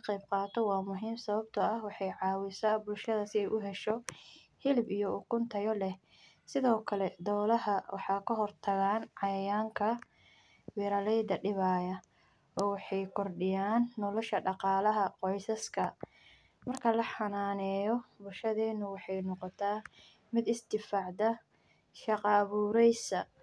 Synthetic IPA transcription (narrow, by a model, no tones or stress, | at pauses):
ɐqɛjb̚qɑːt̪ʰɔwɑːmʊɦiːmsɐβɐbt̪ʰɐɐhwɑħɑjʕɑːwɪsabʊlʃɐðɐsɪɛjʔʊɦɛʃɔ | hɪlbijɔʊkʰʊnt̪ʰɐjɔlɛh | sɪðɔːkʰɐlɛd̪ɔːlɐɦɐwɑ̰ħɑːkʰɐɦɔrt̪ʰɐɣaːnʕɑjɐjaːŋkʰɐ | wɛːɾɐlɛjd̪ɐɖɪβaːjɐ | ɔːwɑħɑjkʰɔrɖɪjaːnːɔlɔʃɐɖɑqɑːlɐɦɐqɔjsɐskʰɐ | mɐrkʰɐlɐħɑnaːnɛːjɔbʊlʃɐðɛːnːʊwɑħɑjnɔqɔt̪ʰaː | mɪd̪ɪsd̪ɪfaːʕd̪ɐ | ʃɑqɑβuːɾɛjsɐ